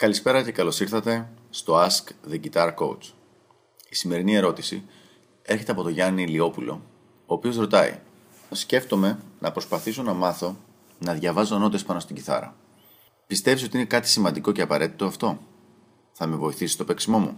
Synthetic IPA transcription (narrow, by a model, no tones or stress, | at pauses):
kɐlispe̞ɾɐce̞kɐlo̞siɾθɐt̪e̞st̪o̞ɐskðeɟit̪ɐɾko̞̰w̰t͡s | isime̞ɾinie̞ɾo̞t̪isḭ | e̞ɾçe̞t̪eɐpo̞t̪o̞ʝɐnilio̞pulo̞̰ | oːpio̞zɾo̞t̪ɐḭ | sce̞ft̪o̞me̞nʔɐpɾospɐθiso̞nɐmɐθo̞ | nɐðʝɐvɐzo̞no̞t̪espɐnost̪iɟiθɐ̰ɾɐ̰ | pist̪efisiot̪inekɐt̪i̥simɐnd̪iko̞ce̞ɐpɐɾe̞t̪i̥t̪o̞ɐft̪o̞ | θɐme̞vo̞iθisi̥st̪o̞pe̞ksimo̞mṵ